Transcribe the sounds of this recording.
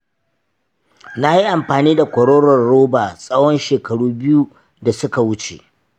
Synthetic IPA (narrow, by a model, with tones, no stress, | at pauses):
na˦ji˦ʔa˨mɸaː˨niː˦da˨kʷɔ˨ɽoː˦ɽɔ˨rɽoː˦baː˨sʼɐ˦wɔ˦nʃeː˨kɐ˨ɽuː˦bɪ˦ju˦ | da˨sʊ˦ka˨wʊ˦t͡ʃḛ˨ʔ